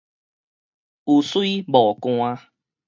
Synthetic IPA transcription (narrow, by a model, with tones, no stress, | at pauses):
u˨˩swi˦bɔ˨˩kw̃a˧